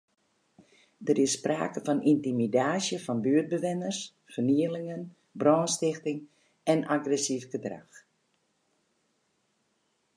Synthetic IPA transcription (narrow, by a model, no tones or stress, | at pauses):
dəɾɪssːpra̰ːkəfɔnintimidaːsjəfɔnbyəd̚bəʋɪnərs | fərniəlɪŋən | brɔːnstɪxtɪŋ | ɛnaɡrɛsifɡədra̰x